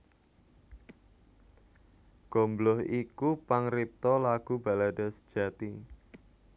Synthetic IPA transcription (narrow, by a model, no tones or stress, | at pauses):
ɡ̥o̤mblʊhikupaŋrip̚t̪ɔlaɡ̥uba̤ladɔ̤sə̥d̥ʒ̥a̤t̪i